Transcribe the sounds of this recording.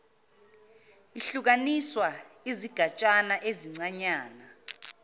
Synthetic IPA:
iɬuk̬aniswa | iziɡ̥ʱat͡ʃʼanaʔeziŋ͡ǀaɲaːna

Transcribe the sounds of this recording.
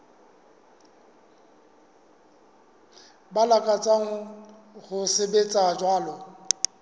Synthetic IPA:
balakʼat͡sʼaŋ̩ | hʊsɪbet͡sʼad͡ʒwaːlɔ

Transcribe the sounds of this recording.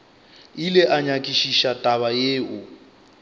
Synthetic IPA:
ilɪʔaɲakʼiʃiʃatʼaβajeːʔʊ

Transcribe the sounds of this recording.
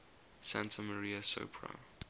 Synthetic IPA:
sãntʰəməɹiːəso̰pʰɹa̰

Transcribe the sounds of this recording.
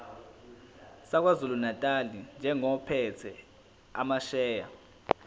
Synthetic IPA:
sak̬ʼwazulunatʼalind͡ʒʱɛŋɔpʰɛt͡sʰɛ | a̰maʃɛːja

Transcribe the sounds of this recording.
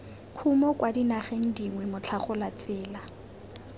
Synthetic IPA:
kʰumɔkwadinaχeŋ̩diŋwɛmʊt͡ɬʰaχʊlat͡sɪːla

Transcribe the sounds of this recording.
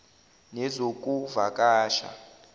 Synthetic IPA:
nɛzokʼuvakʼaːʃa̰

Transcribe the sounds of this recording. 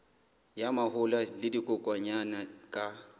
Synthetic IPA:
jamahʊlalɪdikʼʊkʼwaɲanakʼa

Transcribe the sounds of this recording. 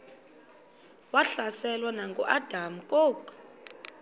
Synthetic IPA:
waɬasɛlwanaŋɡṵʔad̥ʱam̩kʼoːk

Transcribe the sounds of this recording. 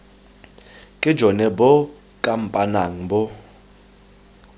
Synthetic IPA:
kʼɪ̥d͡ʒɔnɛbɔ | kʼam̩pʼanaŋ̩bɔ

